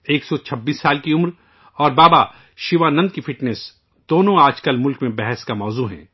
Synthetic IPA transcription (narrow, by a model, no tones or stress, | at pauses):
eːksɔt͡ʃʰɐbːiːsːaːlkiʊmɾ | ɔːɾbaːba | ʃɪʋanɐ̃nd̪̚kifɪʈnɛs | d̪oːnõaːd͡ʒkəlmʊlkmẽbɛɦɛskamɔːzuɦɛ̰̃ː